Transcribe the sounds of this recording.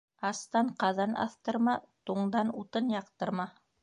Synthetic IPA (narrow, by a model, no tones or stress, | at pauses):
ɑst̪ɑɴqɑðɑnʔɑ̰θt̪ɤ̆ɾmɑt̪uɴd̪ɑnut̪ɤnjɑqt̪ɤ̆ɾmɑ